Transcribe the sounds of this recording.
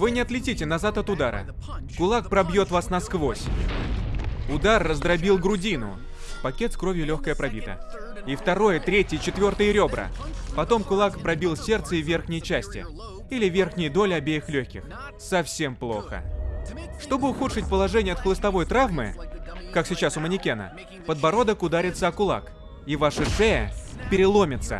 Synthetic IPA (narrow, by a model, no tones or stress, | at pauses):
vɨnʲɪɐt̪lʲɪtʲitʲɪnɐzat̪ɐt̪ʊd̪aɾə̰ | kʊlˠak̚pɾɐbjo̞t̪vasnɐskvo̞sʲ | ʊd̪arːəzd̪ɾɐbʲilˠɡɾʊdʲinʊ̰ | pɐkʲe̞t̪skɾo̞vʲjʊlʲoxkəjəpɾɐbʲit̪ə̰ | ift̪ɐɾo̞jət̪ɾʲetʲjɪt͡ɕɪt̪vʲo̞rt̪əjəɾʲo̞bɾə̰pɐt̪o̞mkʊlˠakpɾɐbʲilˠsʲe̞rt̪səɪvʲe̞rxnʲɪjt͡ɕæsʲtʲɪ̰ | ilʲɪvʲerxnʲɪjəd̪o̞lʲɪɐbʲejɪxlʲoçʲkʲɪ̰x | sɐfsʲe̞mplˠo̞̰xə̰ | ʂt̪o̞bɨʊxut̪ʂɨtʲpəlˠɐʐɛnʲɪjəɐt̪̚klˠəst̪ɐvo̞jt̪ɾavmɨ̰kaksʲɪt͡ɕasʊmənʲɪkʲenə̰ | pəd̪bɐɾo̞d̪əkʊd̪aɾʲɪt̪səɐkʊlˠa̰k | ivaʂɨʂɛjə̰pʲɪɾʲɪlˠo̞mʲɪt̪sə̰